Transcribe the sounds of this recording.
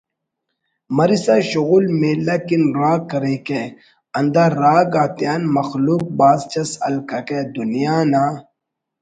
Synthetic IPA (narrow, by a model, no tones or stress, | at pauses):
mɐɾisaɕuɣulmelɐkinɾaːkːɐɾeke | ɐnd̪aːɾaːɡaːt̪ijaːnmɐxluːk̚baːzt͡ɕɐsɐ̰lkɐked̪unijaːnaː